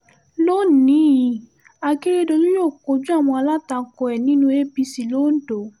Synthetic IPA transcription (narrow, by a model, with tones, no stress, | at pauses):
lo˦˨nĩ˦˨˧ | a˧ke˦ɾe˧do˧lu˦joː˦˨ko˧˦d͡ʒu˦a˦˨w̃ɔ̃˧a˧la˦ta˧˨kɔ˧ɛ˨nĩ˦nũ˧˦e˦bi˧si˨lo˦n̩˦do˨˦